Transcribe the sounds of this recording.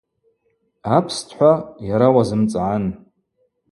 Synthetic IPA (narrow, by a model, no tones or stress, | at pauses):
apʰstʰħʷajaɾawazɨmt͡sʼʕan